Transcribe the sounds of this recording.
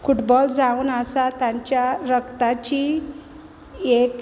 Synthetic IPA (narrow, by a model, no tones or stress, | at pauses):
fuʈbɔld͡zauːnəsat̪jãɲt͡ɕjaɾəkt̪at͡ɕi | ek